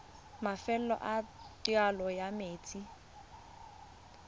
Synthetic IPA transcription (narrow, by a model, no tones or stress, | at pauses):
mafɛl̩ɔ̰ʔatjalɔjameːt͡sʼi